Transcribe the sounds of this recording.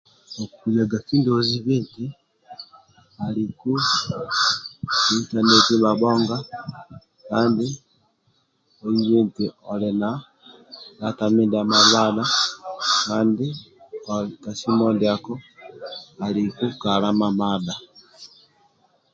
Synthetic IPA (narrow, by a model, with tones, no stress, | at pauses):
o˨ku˨ja˨ɡa˨ki˦ndo˦˨zi˦βeː˦nti˦ | a˨li˨ku˦ | ita˦ne˦ti˦βa˨βɔː˦ŋɡa˦ | kaː˦nde˦ | o˨ji˦βeː˦nti˨ɔ˨le˨na˨ | na˨ta˨me˦da˨ma˨βa˦da˦kaː˦nde˦ | ka˨si˦mɔ˦ndea˨kɔ˦ | a˨ɾi˨ku˦ka˨ɾa˦ma˨βada˨